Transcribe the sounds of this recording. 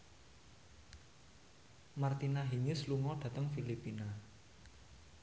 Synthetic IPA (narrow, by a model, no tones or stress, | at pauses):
mart̪inaɦiŋɪsluŋɔɖ̥ä̤t̪əŋfilipina